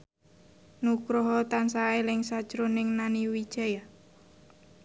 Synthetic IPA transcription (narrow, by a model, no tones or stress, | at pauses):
nukɾɔɦɔt̪ansaelɪŋsad̥ʒ̥ɾonɪŋnaniwi̥ʒ̥aja